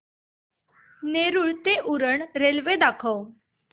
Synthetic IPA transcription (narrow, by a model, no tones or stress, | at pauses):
neɾuːɭt̪eʔuɾəɳɾelʋed̪akʰəw